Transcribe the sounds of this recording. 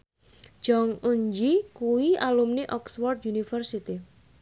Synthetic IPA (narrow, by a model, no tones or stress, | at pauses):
d͡ʒ̥ɔŋuɲd͡ʒikuwialumneʔɔkswɔrd̪junifərsit̪i